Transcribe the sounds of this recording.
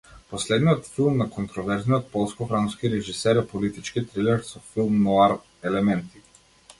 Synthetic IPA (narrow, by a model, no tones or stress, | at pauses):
pɔslɛd̪nijɔt̪filˠmnakɔnt̪ɾɔvɛɾzniɔt̪̚pɔlˠskɔfɾamskiɾɛʒisɛɾɛpɔlit̪it͡ʃkit̪ɾilɛɾsɔfilˠmnɔaɾ | ɛlɛmɛnt̪i̥